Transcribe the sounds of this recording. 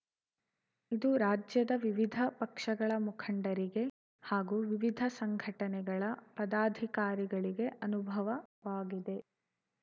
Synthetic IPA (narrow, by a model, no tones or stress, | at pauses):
id̪uɾaːd͡ʒjɐd̪ɐʋiʋid̪ʱɐpɐkʂɐɡɐɭɐmukʰɐɳɖɐɾiɡe̞ | haːɡuʋiʋid̪ʱɐsɐŋɡʱɐʈɐnɛɡɐɭɐpɐd̪aːd̪ʱikaːɾiɡɐɭiɡe̞ʔɐnubʱɐʋɐʋaːɡid̪e̞